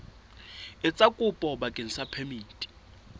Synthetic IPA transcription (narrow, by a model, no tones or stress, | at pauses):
ɪt͡sʼakʼʊpʼɔbakʼen̩sapʰɛmiːtʼi̥